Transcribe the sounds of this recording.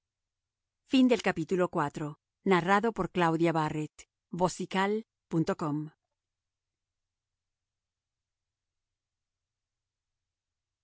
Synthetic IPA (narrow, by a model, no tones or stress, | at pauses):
find̪e̞lkapit̪ulo̞kwat̪ɾo | naraðo̞po̞ɾklawðjaβaret̪ | bo̞sikal | punt̪okom